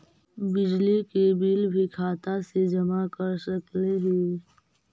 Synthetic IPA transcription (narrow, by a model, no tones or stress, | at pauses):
bɪd͡ʒlikebiːlbʱikʰaːt̪ased͡ʒɐmakəɾsɐkleɦeː